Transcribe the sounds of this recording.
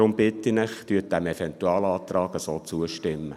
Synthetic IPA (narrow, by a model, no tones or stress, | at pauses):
ɾʊmb̥ɪt̪ːinɪχt̪yət̚d̥æmɛfɛnt̪uɑːlɑːt̪rɑːɡəsoːt͡suəʃtɪmːə